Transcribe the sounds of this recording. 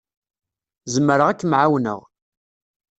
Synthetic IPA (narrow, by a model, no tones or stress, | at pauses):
zəməɾəʁækːmʕawnə̰ʁ